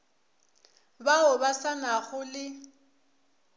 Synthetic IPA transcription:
baʊbasanaɣʊlɪ

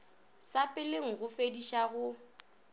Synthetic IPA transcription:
sapʼɪleŋ̩ɣʊfediʃaɣʊ

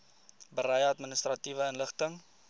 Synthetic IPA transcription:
bəɾəjəɐtmənəst̪rɐtivəənləχtəŋ

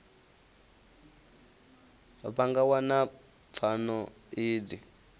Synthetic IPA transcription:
βaŋɡawana | p̪fʰanɔ | iːdi

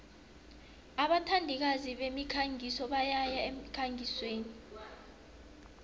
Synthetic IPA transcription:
aɓatʰandʱik̬aziɓemikʰaŋʱisɔɓajajaem̩kʰaŋʱisweːni

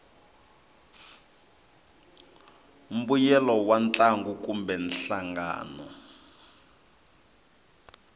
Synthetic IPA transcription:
um̩bujɛlɔwant͡ɬʼaŋɡukumbɛnɬaŋɡa̰ːnɔ̰

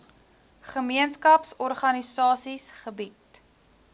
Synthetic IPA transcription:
χəmiənskɐpsɔrχɐnisɑːsisχəbit

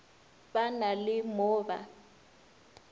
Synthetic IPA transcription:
ɓanalɪmɔːba̰

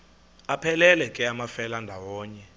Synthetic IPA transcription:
apʰɛlɛlɛkʼɛamafɛlandʱawɔːɲɛ

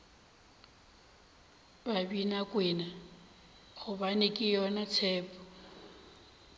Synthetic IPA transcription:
babinakʼwɪːna | ɣʊbanɪkʼɪjɔnat͡sʰɛːpɔ

